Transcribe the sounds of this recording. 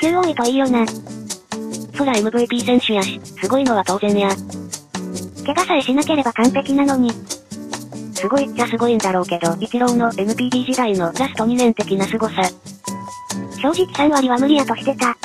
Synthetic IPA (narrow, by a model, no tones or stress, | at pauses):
kʲɯːjoːit̪oiːjona | so̞ɾaemɯ̟bɯ̟ːpʲiːsẽ̞ɰ̃ɕɨjaɕsɨɡo̞ino̞βat̪o̞ːzẽ̞neaɾ | ke̞kasaiɕinake̞ɾe̞bakãnt̪e̞kʲinano̞ɲ̟i | sɨɡo̞it͡ɕasɨɡo̞ind̪aɾo̞ːke̞d̪o̞ikiɾõ̞nːo̞ʔe̞mɯ̟pʲiːdʲiːʑit̪aino̞ɾasɨ̥t̪o̞ɲ̟inẽ̞nt̪e̞kʲinasɨɡo̞sa | ɕo̞ːʑikʲi̥kaɰ̟βaɾʲiβamɯ̟ɾʲiat̪o̞ɕi̥t̪e̞t̪a